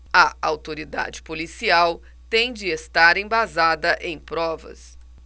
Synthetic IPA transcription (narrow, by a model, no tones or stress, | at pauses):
ɐawt̪oɾid̪a̰d͡ʒɪ̥polisiaw | t̪ẽj̃d͡ʒɪest̪aɾẽj̃bazad̪ɐʔẽj̃pɾɔvɐ̰s